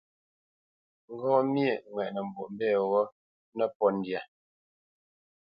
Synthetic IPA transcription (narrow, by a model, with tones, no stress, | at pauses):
ŋ̩˦ɡɔ̃ː˦mje˨ŋwɛ˨ʔnə˨m̩˨bo̰˨m̩˦bɛː˦˨wɔ˦ | nə˦pɔ˦n̩˨dja˨